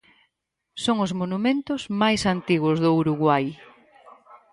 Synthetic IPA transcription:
soŋʊzmonumẽnt̪ʊzmajsant̪iɣwʊzðʊuɾuɣwaj

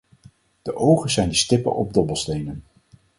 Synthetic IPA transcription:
d̥əʔowχənzɛjndəstɪpə̰nʔɔb̚dɔbəlˠstejnən

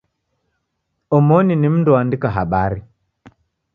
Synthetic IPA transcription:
omoninimndɔandikaɦa̰ɓaɾi

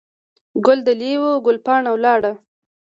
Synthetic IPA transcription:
ɡʊld̪əlewoɡʊlpɑɳawlɑɽa

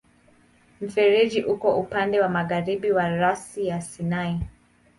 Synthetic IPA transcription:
m̩fɛɾid͡ʒiʔukɔʔupandɛwamaɣaɾiɓiwaɾasijasinai

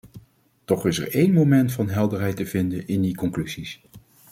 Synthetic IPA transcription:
tɔχɪsɛ̰ɹejnmowmɛntfɑnɦɛlˠdəɹɦɛjtəvɪndənʔɪndikɔŋklyzis

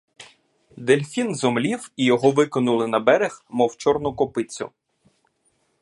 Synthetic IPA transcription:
d̪elʲfʲinzɔmlʲiwijɔɦɔʋɪkɔnʊlˠɪnɐbɛɾexmɔwt͡ʃɔrnʊkɔpɪt͡sʲʊ̰

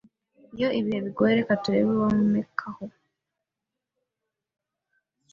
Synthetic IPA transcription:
ijo̞ʔiβiheβiɡoːeɾe̞katuɾeβiβone̞kʰaho

